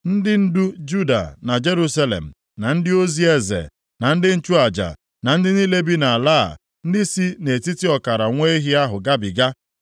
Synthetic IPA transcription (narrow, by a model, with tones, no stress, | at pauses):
n̩˦dɪ˦n̩˦du˦d͡ʒu˦da̰˨na˨d͡ʒe˦ɾu˦sa˦lḛ˨m̩˨ | na˨n̩˦dɪ˦o˦zi˦e˦zḛ˨ | na˨n̩˦dɪ˦n̩˦t͡ʃu˦a˨d͡ʒa̰˨ | na˨n̩˦dɪ˦ni˦le˦bi˦na˨a˨la̰ː˦˨ | n̩˦dɪ˦si˦ne˨ti˦ti˦ɔ˨ka˨ɾa˨ŋʷe˦ɦi˦a˦ɦʊ˨ɡa˦bɪ˨ɡa˦